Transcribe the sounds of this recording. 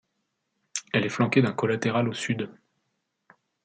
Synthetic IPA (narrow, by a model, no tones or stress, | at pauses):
ɛlɛflɑ̃kʲed̪ɛ̃kɔlat̪eʁalosyd̪